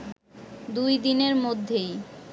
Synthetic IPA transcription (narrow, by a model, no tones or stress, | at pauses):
d̪ujd̪ineɾmod̪ʱːej